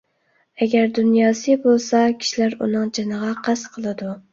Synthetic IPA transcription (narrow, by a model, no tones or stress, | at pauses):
æɡʲæɾd̪ʊnjɑsɨbolˠsakʲʰi̥ʃlaɾṵnɨŋd͡ʒɨnɨʁɑqʰɑsqʰəlˠɨd̪ʊ